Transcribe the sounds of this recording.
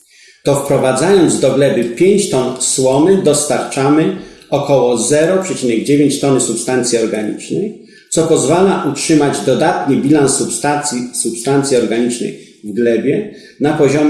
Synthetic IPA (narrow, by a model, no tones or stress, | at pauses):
t̪ɔfpɾɔvad̪zajɔnd̪zd̪ɔɡlɛbɘpʲjeɲt͡ɕt̪ɔnswɔmɘd̪ɔst̪aɾt͡ʂamɘɔkɔwɔzɛɾɔpʂɛt͡ɕinɛɡd͡ʑevʲjeɲt͡ɕt̪ɔnsupst̪ant̪sʲjiɔɾɡaɲḭt͡ʂnɛj | t̪sɔpɔzvalaʔutʂɘmad͡ʑd̪ɔd̪at̪ɲibʲilansupst̪aisupst̪ant̪sʲiɔɾɡaɲit͡ʂnɛ̰j | vɡlɛbʲjɛ | napɔʑɔm